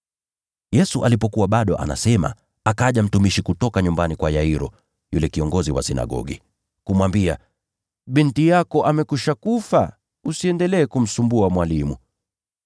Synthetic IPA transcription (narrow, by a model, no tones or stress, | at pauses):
jɛsuʔalipɔkuwaɓaɗɔʔa̰na̰sɛma̰ | akaʄam̩tumiʃikutɔkaɲumbanikwajaiɾɔ | julɛkiɔŋɡɔziwa̰sina̰ɠɔ̰ɠḭ | kumwambia̰ | ɓintijakɔʔamɛkuʃakufa | usiɛndɛlɛːkum̩sumbuamwalimu